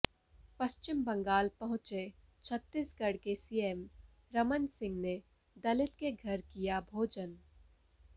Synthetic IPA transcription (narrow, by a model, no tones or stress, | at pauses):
pɐʃt͡ʃɪmbɐ̃ŋɡaːlpɐɦʊ̃t͡ʃe | t͡ʃʰət̪ːisɡɐɽkesiːem | ɾɐmənsɪ̃ŋɡne | d̪ɐlɪt̪keɡʱɐɾkijabʱoːd͡ʒən